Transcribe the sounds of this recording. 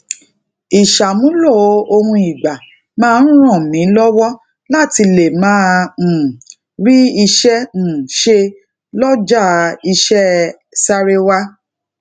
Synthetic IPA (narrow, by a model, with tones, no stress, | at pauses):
i˨ʃa˨mũ˨˦lo˦˨˦o˧hũ˧i˨ɡ͡ba˨ | mãː˦˧n̩˦ɾ̃ɔ̃˦˨mĩ˨˦lɔ˦wɔ˦ | la˦˨ti˧le˨mãː˦˨ | ɾi˦i˧ʃɛ̃˦˨ʃe˧ | lɔ˦d͡ʒa˦˨i˧ʃɛ˦ | sa˦ɾe˦wa˦